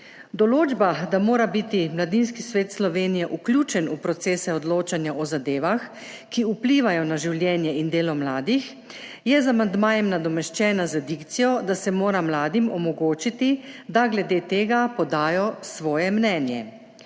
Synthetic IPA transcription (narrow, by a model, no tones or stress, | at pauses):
d̪ɔloːd͡ʒbad̪amoːɾabit̪imlad̪inskisʋeːt̪slɔʋeːnijɛʔuklʲjuːt͡ʃɛnupɾɔt̪seːsɛɔd̪loːt͡ʃanjaʔɔzad̪eːʋax | kiupliːʋajɔnaʒiwlʲjɛːnjɛind̪eːlɔmlaːd̪ix | jɛzamand̪maːjɛmnad̪ɔmɛʃt͡ʃɛːnazad̪ikt̪sijɔd̪asɛmoːɾamlaːd̪imɔmɔɡoːt͡ʃit̪id̪aɡlɛd̪eːt̪eːɡapɔd̪aːjɔsʋɔːjɛmnɛːnjɛ̰